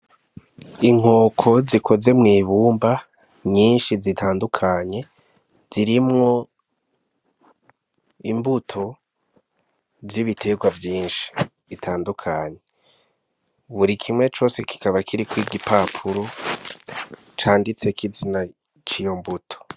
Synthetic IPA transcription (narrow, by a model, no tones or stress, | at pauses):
iŋ̥o̞ːkʰo̞zikʰo̞ze̞mŋiːβuːmba | ɲiːnʃizitʰaːndukʰaɲe̞ | z̥iɾimŋo̞ | imbutʰo̞ | ziβitʰe̞ɡwavjiːnʃi̥ | itʰaːndukʰaɲe̞ | βuɾikʰimŋe̞t͡ʃo̞ːse̞ki̥kaβakʰiɾikwiːɡipaːpʰuɾo | t͡ʃaːndit͡se̞kizina | t͡ʃijo̞mbutʰo̥